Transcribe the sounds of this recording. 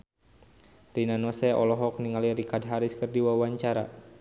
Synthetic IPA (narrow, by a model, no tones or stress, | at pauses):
rinanɔsɛɔ̰lɔɦɔk̚niŋalirikadɦaɾɪskərdiwawaɲt͡ʃaɾa̰